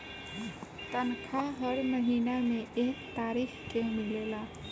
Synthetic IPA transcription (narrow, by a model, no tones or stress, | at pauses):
t̪ənkʰaɦəɽməɦinamẽekt̪aɾikʰkemilela